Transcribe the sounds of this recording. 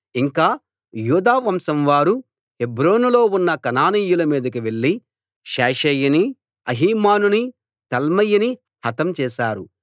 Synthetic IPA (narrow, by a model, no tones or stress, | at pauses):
iŋkaː | juːd̪aːʋɐmsɐmʋaːɾu | hebɾo̞ːnulo̞ːunːɐkɐnaːniːjulɐmiːd̪ɐkiʋe̞ɭːi | ʃɛːʃɛːjɐni | ɐɦiːmaːnuni | t̪ɐlmɐjini | hɐt̪ɐmt͡ʃɛːʃaːɾu